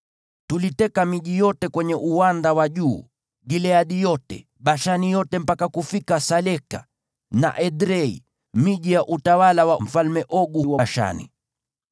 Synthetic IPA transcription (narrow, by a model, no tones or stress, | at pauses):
tulitɛkamiʄijɔtɛkwɛɲɛʔuwandawaʄuː | ɡilɛaɗijɔtɛ̰ | ɓaʃanijɔtɛm̩pakakufikasalɛka̰ | na̰ʔɛɗɾɛḭ | miʄijaʔutawalawam̩falmɛʔɔɡuwaaʃa̰nḭ